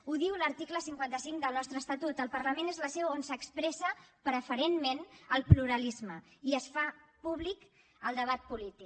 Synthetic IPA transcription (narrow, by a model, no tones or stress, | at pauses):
uðiwləɾt̪ikləsiŋkwant̪əsiŋd̪əlˠnɔst̪ɾəːst̪at̪ut̪əlˠpərləmenezləsɛwonsəkspɾɛsəpɾəfəɾenmenəlˠpluɾəlizməiəsfapuβlik | əlˠd̪əβat̪̚pulit̪ik